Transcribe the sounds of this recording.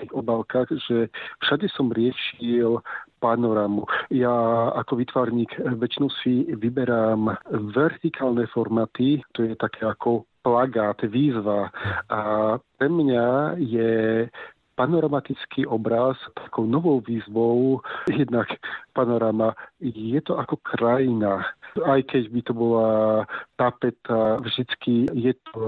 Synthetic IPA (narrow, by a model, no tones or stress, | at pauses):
t̪iɣɔbalkaːɣʒɛfʃaɟɛsɔmɾɪɛʃilpanɔɾamujaakɔʋit̪ʋaːɾɲiːɡʋɛt͡ʃinɔʊsiʋibɛɾaːmʋɛɾt̪ikʰaːlnɛfɔɾmat̪it̪ɔjɛt̪akʰɛːakʰɔplaɡaːt̪ʋiːzʋaapɾɛmɲajɛ | panɔɾamat̪it͡skʰiʔɔbɾast̪akɔʊnɔʋɔʊʋiːzʋɔʊjɛd̪nakpanɔɾamajɛt̪ɔʔakɔkʰɾajinaajkɛɟbit̪ɔbɔlat̪apɛt̪avʒd̪it͡skijɛt̪ɔ